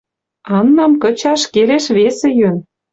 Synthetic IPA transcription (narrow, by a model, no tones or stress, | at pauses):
ɑnːɑmkə̆t͡ɕɑʃkeleʃβesĕjøn